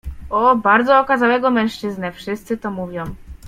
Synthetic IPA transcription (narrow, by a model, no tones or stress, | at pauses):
ɔbaɾd̪zɔːkazawɛɡɔmɛ̃ʂt͡ʂɘznɛfʂɘst̪sɘt̪ɔmuvʲjɔ̃w̃